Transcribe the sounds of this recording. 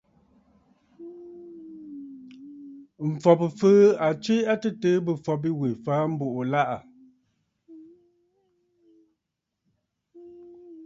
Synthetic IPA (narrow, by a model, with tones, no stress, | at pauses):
m̩˨fɔ˨pɨ˨fəː˦a˨t͡ʃwe˦a˦tɨ˦təː˦bɨ˨fɔ˨b̬i˦we˨faː˨˦m̩˦bo˨ʔo˨la˦˨ʔa˨